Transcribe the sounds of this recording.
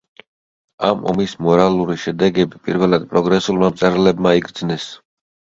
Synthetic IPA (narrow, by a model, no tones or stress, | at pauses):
amɔ̰mismɔɾalˠuɾiʃɛd̪ɛɡɛbipʼḭɾvɛlˠad̪̚pʼɾɔɡɾɛsulˠmamt̪sʼɛɾlɛbmaiɡɾd̪znɛs